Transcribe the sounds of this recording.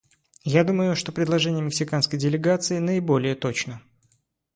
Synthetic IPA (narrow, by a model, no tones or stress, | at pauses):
jad̪uməjʊʂt̪o̞pɾʲɪd̪lˠɐʐɛnʲɪjəmʲɪksʲɪkanskəjdʲɪlʲɪɡat̪sɨɪnəɪbo̞lʲɪjət̪o̞t͡ɕnə